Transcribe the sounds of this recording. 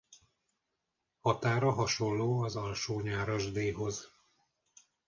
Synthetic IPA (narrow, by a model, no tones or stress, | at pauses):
hɒt̪aːrɒɦɒʃo̞llːoːɒzɒlʃoːɲaːɾɒʒd̪eːɦo̞z